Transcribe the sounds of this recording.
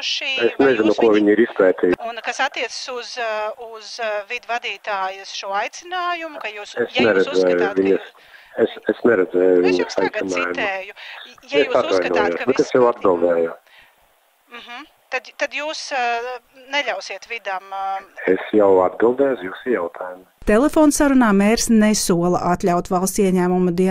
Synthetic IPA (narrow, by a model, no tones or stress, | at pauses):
ʃiːesnɛzinukuɔviɲiɾispɛːt̪iːunkasat̪ːiɛt̪sə̥suzuzvid̪vad̪iːt̪aːjɐsʃuɔajt̪sɪnaːjumʊkajuːsesnɛɾɛd̪zɛːjʊvʲiɲɐs | esesnɛɾɛd̪zɛːjuvʲiɲɐsajt̪sinaːjumɛjʊjaesat̪vajnuɔjoːsbɛtt̪esjawad̪̚bilˠd̪ɛːjʊ | m̩ɦ̩ | t̪ad̪t̪ad̪juːs | nɛlʲawsiɛt̪vid̪amɛsjawad̪̚bilˠd̪ɛːjsjuːsijawt̪ʰaːjum | t̪elˠefoːnsaɾunaːmeːɾsnɛsuɔlˠɐʔat̪lʲawt̪valˠst̪iɛɲæːmumud̪i